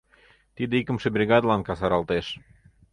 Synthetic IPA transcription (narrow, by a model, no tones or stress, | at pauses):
t̪id̪eikə̆mʃĕbrʲiɣɑd̪lɑnkɑsɑɾɑlˠt̪eʃ